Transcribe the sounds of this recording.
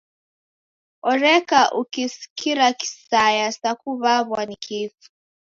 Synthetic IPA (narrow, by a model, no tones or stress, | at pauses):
ɔɾɛkaʔukisi̥kiɾaki̥sajasakuβaβwanikʰifu̥